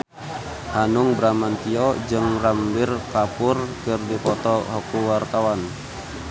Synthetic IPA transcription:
hanuŋbɾamant̪iɔd͡ʒɨŋrambirkapʊrkɨrdipɔt̪ɔɦɔkuwart̪awan

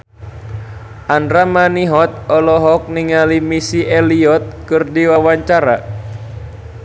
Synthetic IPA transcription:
ʔandɾamaniɦɔt̪̚ɔlɔɦɔk̚niŋalimisiʔɛliɔt̪̚kɨrdiwawaɲt͡ʃaɾa̰

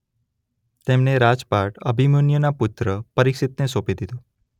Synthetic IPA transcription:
t̪emneɾad͡ʒpaʈə̰bʱimunjənapʊt̪ɾəpəɾikʃit̪nesopid̪id̪o

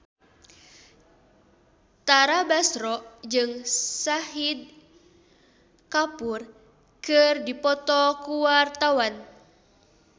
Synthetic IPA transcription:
t̪aɾabasɾɔʔd͡ʒɨŋsaɦid̪̚ | kapur | kɨrdipɔt̪ɔkuwart̪awan

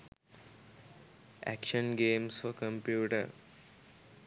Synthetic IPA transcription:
ʔæ̰kʃə̃nɡẽːmsfɔkə̃mpjuːʈəɾ

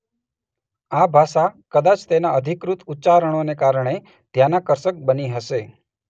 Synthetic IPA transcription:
abʱaʃakəd̪at͡ʃt̪enaəd̪ʱikɾut̪utːt͡ʃaɾəɽ̃onekaɾɳ̃e | d̪janakəɾsək̚bəniɦəʃe

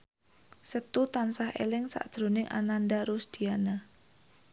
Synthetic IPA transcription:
sət̪ut̪ansahʔḛlɪŋsa̰ʔd̥ʒ̥ɾonɪŋʔa̰nanɖaɾusd̪̥i̤ana

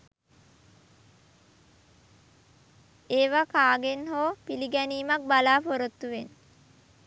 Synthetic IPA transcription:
eːʋakaːɡenɦoːpiliɡæniːmak̚balaːpoɾot̪ːuʋen

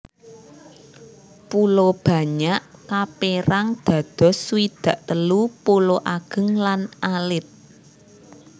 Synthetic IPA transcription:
pulob̥ä̤ɲaʔkapeɾaŋd̪̥ä̤d̪̥ɔ̤sːwid̪̥ä̤ʔt̪əlupuloʔaɡ̥ə̤ŋlanʔalɪt̪̚

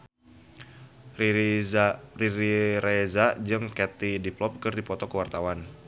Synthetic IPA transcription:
riɾiɾezad͡ʒɨŋkɛt̪idiplɔp̚kɨrdipɔt̪ɔkəwart̪awan

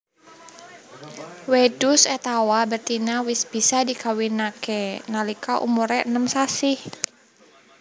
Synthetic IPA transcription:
wɛdusɛt̪awabərt̪inawɪsbisadikawinakɛnalikaʔṵmuɾɛʔənəmsasɪh

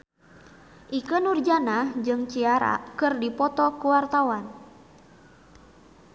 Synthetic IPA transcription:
ʔikənurd͡ʒanad͡ʒɨŋt͡ʃiaɾa̰kɨrdipɔt̪ɔkuwart̪awan

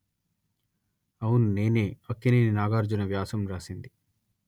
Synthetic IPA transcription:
ɐwunːe̞ːneːɐkːineːninaːɡaːɾd͡ʒunɐʋjaːsɐmɾaːsind̪i

